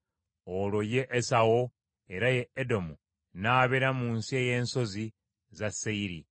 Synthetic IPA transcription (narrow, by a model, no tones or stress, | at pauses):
olo̞je̞ʔːsawo | e̞ɾaje̞edo̞mu | naːβeɾamuːnsie̞je̞ːnso̞zi | zasːeiɾi